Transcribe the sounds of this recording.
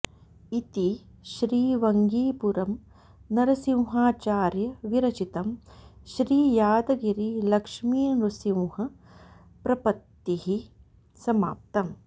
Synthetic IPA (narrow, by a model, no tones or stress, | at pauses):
it̪i | ʃɾiːʋɐŋɡiːpuɾɐm | nɐɾɐsiwɦaːt͡ʃaːɾjɐʋiɾɐt͡ʃit̪ɐmʃɾiːjaːd̪ɐɡiɾilɐkʂmiːnɾusiwhɐ | pɾɐpɐt̪ːiɦi | sɐma̰ːp̚t̪ɐm